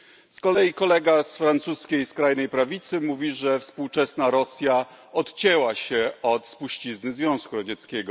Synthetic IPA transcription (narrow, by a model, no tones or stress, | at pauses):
skɔlɛjikɔlɛɡasfɾant̪suskʲejskɾajnɛjpɾavʲit̪sɘmuvʲiʐɛfspuwt͡ʂɛsnaɾɔsʲja | ɔt̪t͡ɕɛwaɕɛɔt̪spuɕt͡ɕiznɘzvʲjɔ̃w̃skuɾɔd͡ʑɛt̪skʲɛɡɔ